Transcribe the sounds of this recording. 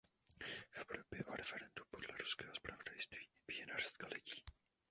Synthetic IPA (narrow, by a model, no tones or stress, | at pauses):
fɛpɾobjɛʔaɾɛfɛɾɛndupodlɛɾuskɛːɦospɾavodajst̪viːvijɛnaɾst̪kalɪciː